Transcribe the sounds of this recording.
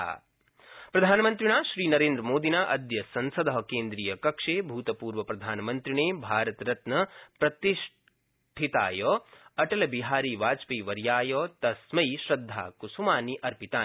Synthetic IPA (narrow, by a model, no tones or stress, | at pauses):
a̰ː | pɾɐd̪ʱaːnɐmɐnt̪ɾiɳ̃aːʃɾiːnɐɾeːnd̪ɾɐmoːd̪inaːʔɐd̪jɐsɐnsɐd̪ɐɦɐkeːnd̪ɾiːjɐkɐkʂeːbʱuːt̪ɐpuːɾʋɐpɾɐd̪ʱaːnɐmɐnt̪ɾiɳ̃eːbʱaːɾɐt̪ɾɐt̪nɐpɾɐt̪iʃ | ʈʰit̪a̰ːjɔːɐʈɐlɐbiɦaːɾiːʋaːt͡ʃpiːʋɐɾjaːjɔːt̪ɐsmɐjʃɾɐd̪ʱːa̰ːkusumaːniʔɐɾpit̪aː